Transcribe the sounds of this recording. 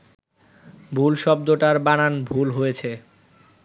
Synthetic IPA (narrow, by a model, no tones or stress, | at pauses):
bʱulʃɔb̚d̪oʈaɾbananbʱulɦojet͡ɕʰe